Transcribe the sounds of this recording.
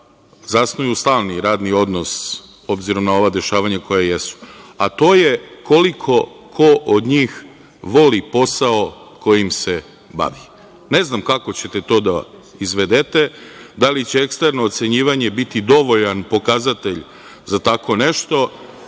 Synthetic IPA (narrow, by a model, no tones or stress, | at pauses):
zasnujust̪aːlˠniɾaːd̪nio̞d̪no̞s | o̞bziɾo̞mnao̞ʋad̪e̞ʃaːʋaɲako̞jajesu̥at̪o̞ːje̞ko̞likʰo̞ | kʰo̞ʔod̪ɲiːx | ʋo̞lipo̞sao̞ | ko̞jimse̞ | ba̰ʋi | ne̞znamkako̞t͡ɕe̞t̪e̞t̪o̞ːd̪aizʋed̪et̪e̞d̪alit͡ɕe̞ekst̪eɾno̞ːt̪se̞ɲiːʋaɲe̞bit̪id̪o̞ʋo̞ʎanpo̞kazat̪e̞ʎ | zat̪akʰo̞ne̞ʃt̪o̞